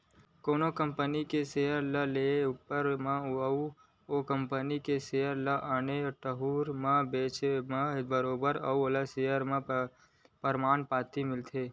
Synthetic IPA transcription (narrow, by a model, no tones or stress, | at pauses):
koːnokəmpənikesejəɾləleupːəɾmãəu | okəmpənikesejəɾləʔaːneʈəɦuːɾmãbeːt͡ʃmãbəɾoːbəɾəuolasejəɾmã | pəɾmaːnpaːt̪imɪlt̪ʰeː